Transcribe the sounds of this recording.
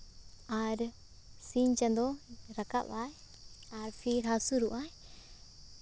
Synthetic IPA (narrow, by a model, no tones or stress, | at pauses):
aɾ | siɲt͡ʃãnd̪ɔɾaka̰paj | aɾpʰiɾɦasuɾuʔaj